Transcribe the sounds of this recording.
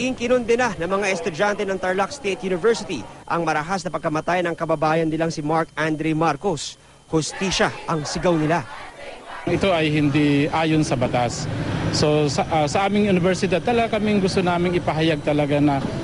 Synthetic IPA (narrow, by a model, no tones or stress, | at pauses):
ʔɪŋkɪnond̪ɛnanɐŋmɐŋaʔɛst̪ʊd͡ʒant̪ɛnɐŋt̪ɐɹlakst̪et̪̚junɪvɛɹsɪt̪iʔɐŋmɐɾɐɦasnɐpɐɡ̚kɐmɐt̪ajɐnɐŋkɐbɐbaːjɐnːɪlaŋsɪmaɹkand̪ɾɛmaɾkos | hʊst̪iːʃaʔɐŋsɪɡawnɪla | ŋɪt̪o̞ʔɐjhɪnd̪iʔaːjonsɐbɐt̪asːosɐʔasɐʔaːmɪŋjʊnɪvɛɹsɪd̪ad̪̚t̪ɐlɐɡakɐmɪŋɡʊst̪onaːmɪŋɪpɐɦɐjaɡ̚t̪ɐlɐɡanɐ